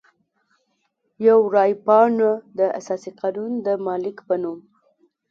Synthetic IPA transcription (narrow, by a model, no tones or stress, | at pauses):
jawɾɑjpɑnod̪əʔa̰sɑsiqɑnund̪əmɑlɪkpənum